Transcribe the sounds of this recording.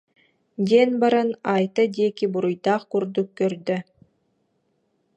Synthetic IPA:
d̪ʲenbaɾɯnajt̪ɯd̪ʲekibuɾujd̪aχkuɾd̪ukːœɾd̪ø

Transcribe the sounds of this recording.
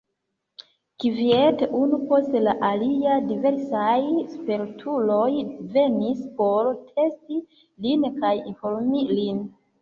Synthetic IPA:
kivieteunupo̞stelaʔaliadive̞ɾsajspeɾtʰulo̞jve̞nispo̞ɾtʰe̞sti | linkajinfo̞ɾmilin

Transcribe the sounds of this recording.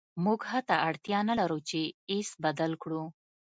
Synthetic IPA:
muɡhat̪aʔaɽt̪jɑnalaɾut͡ʃeisbad̪alkɽu

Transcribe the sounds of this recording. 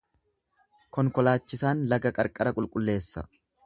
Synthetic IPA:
kɔŋkɔlaːt͡ʃːɪsaːnlɐɡɐkʼɐɾkʼɐɾɐkʼʊlkʼʊlːe̞ːsːɐ̰

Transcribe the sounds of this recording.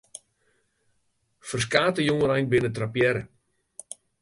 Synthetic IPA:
fərs̬kaːtəjoŋəɾɛjnbɪnətrapjɛɾə

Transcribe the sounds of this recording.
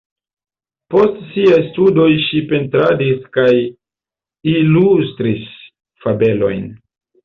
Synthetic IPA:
po̞stsiajstudo̞jʃipe̞ntɾadiskaj | ilustɾis | fabe̞lo̞̰jn

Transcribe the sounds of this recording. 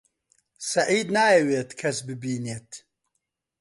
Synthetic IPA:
sɐʕiːd̪naːjɛweːt̪kʰɐsbɨbiːneːt̪

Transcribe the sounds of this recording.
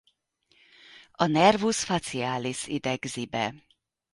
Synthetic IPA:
ɒnɛrvusfat̪siaːlisḭd̪ɛɡzibɛ

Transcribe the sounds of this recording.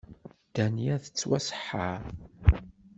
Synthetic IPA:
d̪̥æniæθə̥t͡sːwæsə̥ħːaɾ

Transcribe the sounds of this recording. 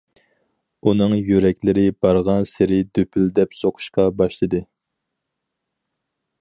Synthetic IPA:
unɨŋjøɾɛkʲlɪɾɪbɑɾʁɑnsɪɾɪd̪øpʰyld̪ɛpsoqʰʊ̥ʃqɑbɑʃlˠɨd̪ɨ

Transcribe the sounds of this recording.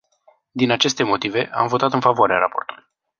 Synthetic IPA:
d̪inat͡ʃe̞st̪e̞mo̞t̪ive̞ʔa̰mvo̞t̪at̪ɨnfavoaɾea̰ɾapo̞rt̪uluj

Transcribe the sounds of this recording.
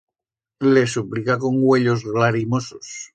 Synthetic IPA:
lesuplikakoŋɡweʎozɣlaɾimosos

